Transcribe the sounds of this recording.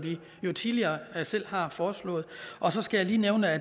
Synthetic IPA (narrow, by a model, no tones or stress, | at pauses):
ʋi | jo̝t͡sʰiðˠliɐːsel̰hɑ̈fɒːslɔ̰̽ːð̩ˠʔɒ̽sɒ̽sɡ̥æjaliːneʊnəæ